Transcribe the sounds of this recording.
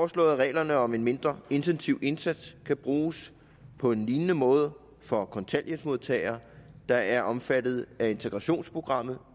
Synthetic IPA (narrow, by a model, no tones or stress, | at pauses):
fɒːslɔ̰̽ːð̩ˠʁɛ̰ːlɐnəɒ̽me̝nme̝nd̥ʁɐe̝nt͡sʰensiʊ̰e̝nsæd̥skʰæb̥ʁuːs | pʰɒ̽e̝nliːnnəmɔ̽ːð̞ˠə | fɒkʰɒ̽nt͡sʰæl̰jəsmo̝ð̞ˠt͡sʰɛ̰ɪɐːd̥ɑ̈æɐʔɒ̽mfæd̥ð̞̩ˠæe̝nt͡sʰeɡ̥ʁɑ̈ɕo̝̰ːnspʰʁo̝ɡ̥ʁɑ̈m̰ð̞̩ˠ